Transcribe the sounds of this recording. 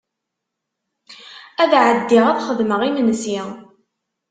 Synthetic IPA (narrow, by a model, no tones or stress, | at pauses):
æðʕəd̪ːɪʁæðχəðməʁimənsi